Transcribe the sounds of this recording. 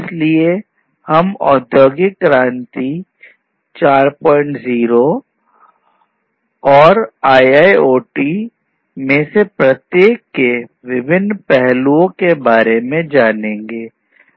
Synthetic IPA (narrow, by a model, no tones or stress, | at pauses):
ɪslie | hɐmɔ̰ːd̪ʱjoːɡikɾãːnt̪i | t͡ʃaːɾpɔ̃ːɪ̃ɳʈziːɾo | ɔːɾaːjaːioːʈi | mẽsepɾɐt̪jeːkːe | ʋɪbɪnːpɛɦluõkebaːɾemẽd͡ʒaːnẽːŋɡeː